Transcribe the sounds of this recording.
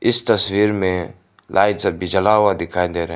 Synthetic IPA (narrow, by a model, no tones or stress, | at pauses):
ɪst̪ɐswiːɾmẽ | lʔaːɪdsɐbid͡ʒəlaːwad̪ɪkʰaːĩnd̪eɾɦ